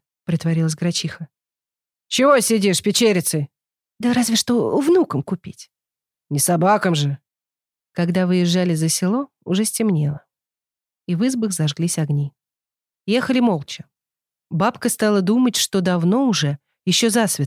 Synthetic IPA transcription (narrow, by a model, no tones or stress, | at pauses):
pɾʲɪt̪vɐɾʲilˠəs̬ʲɡɾɐt͡ɕixə | t͡ɕɪvosʲɪdʲiʂpʲɪt͡ɕeɾʲɪt̪sɨj | d̪əɾazvʲɪʂt̪o̞vnukəmkʊpʲitʲ | nʲɪsɐbakəmʐɨ | kɐɡd̪avɨjɪʐːalʲɪzəsʲɪlˠo̞ | ʊʐɛsʲtʲɪmnʲe̞lˠə | ivɨzbɨxzɐʐɡlʲisʲɐɡnʲi | jexəlʲɪmo̞lˠt͡ɕɪ̥ | bapkəst̪alˠəd̪umətʲʂt̪o̞d̪ɐvno̞ʊʐɛ | jɪɕːozasvʲɪ